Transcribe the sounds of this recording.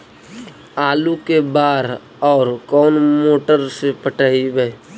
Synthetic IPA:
aːlukebaːɾ | ɔːɾkɔːnmoːʈəɾsepəʈaːibəe

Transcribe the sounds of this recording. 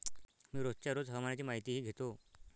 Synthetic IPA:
miːɾott͡ɕaɾod͡zɦəmaɳat͡ɕiːmaɦit̪iːɦiːɡʱet̪o

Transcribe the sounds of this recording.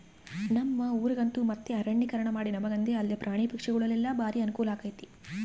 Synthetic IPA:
nɐmːɐuːɾɐɡɐnt̪umɐt̪ːeɐɾɐɳːikɐɾɐɳɐmaːɽinɐmɐɡɐnd̪eɐlːepɾʔaːɳipɐkʂɐɡɐɭɐlːilːɐbaːɾiɐnukuːlaːkɐjt̪i̥

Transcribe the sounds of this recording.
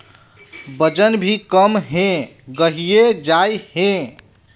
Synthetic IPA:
bəd͡ʒənbʱikəmɦẽɡəɦijed͡ʒajhẽ

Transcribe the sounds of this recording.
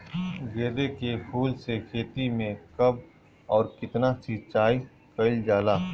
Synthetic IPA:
ɡeːd̪ekepʰuːlsekʰeːt̪imẽkɐb̚ | ɔːɾkɪt̪nasɪt͡ʃaːi | kɐɪld͡ʒaːlaː

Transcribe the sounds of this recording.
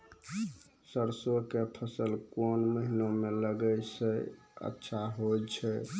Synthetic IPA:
səɾsokepʰəsəlkonməɦinomeləɡəjsəj | ə̰tːʃʰaɦojt͡ʃʰɛ

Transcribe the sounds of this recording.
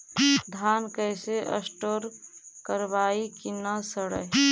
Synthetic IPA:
d̪ʱaːnkəjseʔə̰sʈoɾkəɾbaikinasəɽə̰

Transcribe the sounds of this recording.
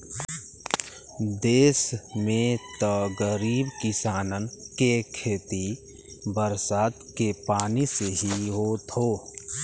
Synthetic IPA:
d̪eːsmẽt̪əɡəɾiːbkɪsaːnənkekʰeːt̪i | bəɾsaːt̪kepaːniseɦiɦoːt̪ɦoː

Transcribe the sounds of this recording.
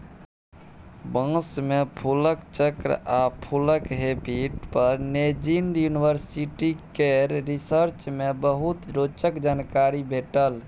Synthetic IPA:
bə̃smepʰuləkt͡ʃəkɾapʰuləkɦepiʈpəɾned͡ʒinjunibəɾsiʈikeɾɾisəɾt͡ʃmebəɦut̪ɾot͡ʃəkd͡ʒankaɾibʱeʈəl

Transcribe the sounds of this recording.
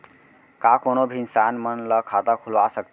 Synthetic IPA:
kakonobʱinsanmənləkʰat̪akʰulʋasək̚t̪

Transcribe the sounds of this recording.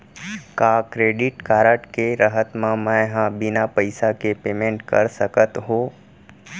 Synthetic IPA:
kaːkɾeːɖɪʈkaːɾəʈkeɾəɦət̪mãmə̃ɦãbɪnapəɪsakepeːmẽːɳʈkɐ̰ɾsəkət̪ɦoː

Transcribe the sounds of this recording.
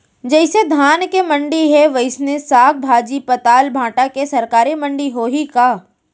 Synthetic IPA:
d͡ʒɛɪsed̪ʱaːnkemɐ̃ɳɖiɦɛʋɐɪsnesaːk̚bʱaːd͡ʒipɐt̪aːlbʱãːʈakesɐɾkaːɾimɐ̃ɳɖiɦoːɦikaː

